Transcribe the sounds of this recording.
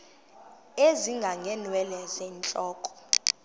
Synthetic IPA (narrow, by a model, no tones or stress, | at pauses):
eziŋɡʱaŋɡʱɛnwɛlɛzɛnt͡ɬʼɔːkʼɔ̥